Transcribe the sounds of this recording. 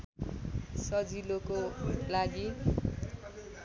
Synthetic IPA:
sʌd͡zilokolaɡi

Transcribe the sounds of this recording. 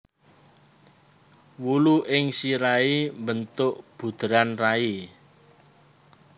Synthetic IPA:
wuluʔɪŋsiɾaimbənt̪ʊʔb̥ṳd̪̥ɾanrai

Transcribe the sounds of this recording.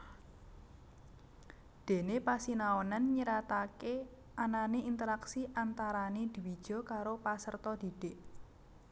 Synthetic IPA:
d̪̥e̤nepasinaɔnanɲəɾat̪ake | ananeint̪əɾaksiʔant̪aɾaned̪̥i̤wid̥ʒ̥ɔ̤kaɾopasərt̪ɔd̪̥i̤d̥eʔ

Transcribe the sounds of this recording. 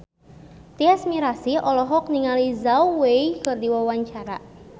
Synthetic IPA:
t̪iasmiɾasiɔlɔɦɔk̚niŋalizauweikɨrdiwawaɲt͡ʃaɾa

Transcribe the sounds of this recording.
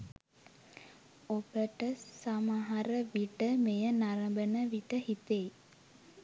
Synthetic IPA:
obəʈəsamaɦaɾəʋiʈəmejənaɾɐmbənəʋiʈəhit̪ej

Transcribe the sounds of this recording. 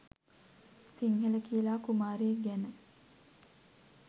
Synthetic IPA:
siŋhələkijəlaːkumaːɾeːɡænə

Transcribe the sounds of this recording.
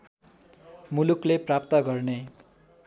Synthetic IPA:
mulukleprap̚t̪ʌɡʌrne

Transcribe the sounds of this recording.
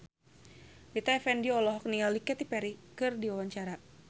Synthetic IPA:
lit̪aɛfɛndiɔlɔɦɔk̚nialikɛt̪ipɛɾikɨrdiwawaɲt͡ʃaɾa

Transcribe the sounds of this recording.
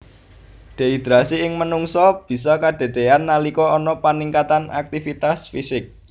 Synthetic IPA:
ɖ̥e̤id̪̥ɾasiɪŋmənuŋsɔb̥i̤sɔkad̪̥e̤d̪̥eanːalikɔɔnɔpaniŋkat̪ana̰k̚t̪ifit̪asfisɪk̚

